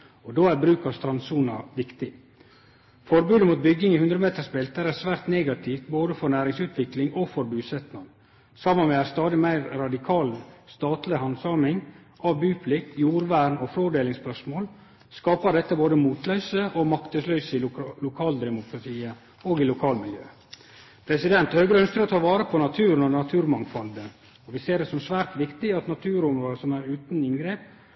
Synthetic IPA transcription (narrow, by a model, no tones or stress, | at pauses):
ɔd̪oːæɾbɾʉːkɑst̪ɾɑnsuːnɑʋɪkt̪ɪ | fɔɾbʉːd̪əmuːt̪̚bʏɡːɪŋɪhʉnd̪ɾəmeːt̪əʂbɛlt̪̚æɾæsʋæːɾt̪neːɡɑt̪ʰiːft̪boːd̪əfɔɾnæːɾɪŋsʉːt̪ʋɪklɪŋɔfɔɾbʉːsɛt̪nɑŋ | sɑmːənmɛæst̪ɑːd̪ɪmæɪɾɾɑd̪ɪkʰɑːlst̪ɑːt̪lɪhɑnsɑːmɪŋ | ʔɑʋbʉːpʰlɪkt̪juːɾʋæːɾnɔfɾoːɖeːlɪŋspœʂmoːl | skɑːpəɖɛt̪ːəboːd̪əmuːt̪lœʏsəʔɔmɑkt̪əslœʏsəɪlʊkʰɑːld̪ɛmʊkʰɾɑt̪ʰiːə | oːɡɪlʊkʰɑːlmɪljø̰ː | pʰɾɛsɪd̪ɛnt̪høːɡəɾəœnskəɾɔt̪ʰɑːʋɑːɾəpʰɔnɑt̪ʰʉːɾənɔnɑt̪ʰʉːɾmɑŋfɔld̪ən | ɔʋɪseːɾdɛsɔmsʋæːɾt̪ʋɪkt̪ɪɑt̪nɑt̪ʰʉːɾʊmɾoːd̪əsɔmæɾʉːt̪n̩ɪnɡɾeːp